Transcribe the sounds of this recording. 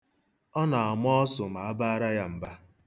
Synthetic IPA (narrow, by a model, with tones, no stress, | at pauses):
ɔ˦na˨a˨m˦ɔ˦ɔ˦sʊ˨ma˨a˦ba˦a˦ɾa˦ja˦m̩˨ba˦